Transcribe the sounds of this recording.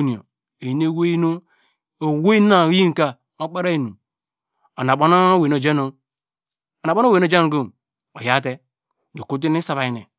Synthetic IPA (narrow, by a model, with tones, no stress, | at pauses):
ni˨o̰˨ | e˨i˨˦n˦e˦we˦i˦no˦ | o˨we˦na˨˦i˦ŋ˨ka˦ | mo˦k͡pa˦ɾa˦i˨nu˨ | o˨na˨ɓo˦no˦we˨no˨d͡ʒe˦no˨ | o˨na˨bo˦n˦we˨n˦o˦˨d͡ʒe˦o˨ɡo˦˨m | o̰˨ja˦te˦˨ | o˨ku˦t̬i˦ni˦sa˨βa˨i˨nḛ˨